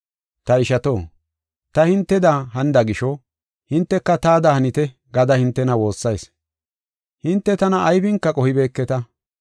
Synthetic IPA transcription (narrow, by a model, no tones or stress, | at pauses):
t̪ɐɪʃɐt̪oː | t̪ɐhɪnt̪ːɛd̪ɐɦɐnd̪ɐɡɪʃɔ | hɪnt̪ːɛkːɐt̪aːd̪ɐhɐnɪt̪ɛ | ɡɐd̪ɐhɪnt̪ːɛnɐwo̞ːsːɐjs | hɪnt̪ːɛt̪ɐnɐʔːjfɪŋkːɐkʼɔhɪbe̞ːkːɛt̪ɐ